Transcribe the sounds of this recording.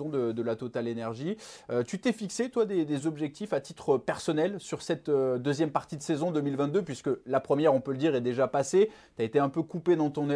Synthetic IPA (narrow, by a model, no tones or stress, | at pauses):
ɔ̃d̪əd̪əlat̪ot̪alenɛʁʒiøt̪yt̪ɛfikset̪wad̪ed̪ezɔbʒɛk̚t̪ifat̪it̪χəpɛʁsɔnɛlsyʁsɛt̪ød̪øzjɛmpaʁt̪id̪əsezɔ̃d̪ømilvɛ̃t̪̚d̪øpɥiskəlapχəmjɛʁɔ̃pøləd̪iʁɛd̪eʒapase | t̪yaet̪eɛ̃pøkuped̪ɑ̃t̪ɔ̃n